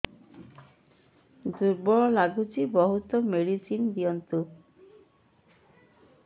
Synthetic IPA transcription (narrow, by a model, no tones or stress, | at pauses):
d̪uɾbɔɭɔlaɡut͡ʃʰibɔɦut̪ɔmeɽisind̪iɔnt̪u